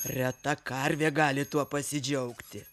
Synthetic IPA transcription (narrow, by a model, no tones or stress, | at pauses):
rʲɛt̪ɐkɐɾʲʋʲeːɡɑːlʲɪt̪uɔpɐsʲɪd͡ʒʲɛʊkt̪ʲɪ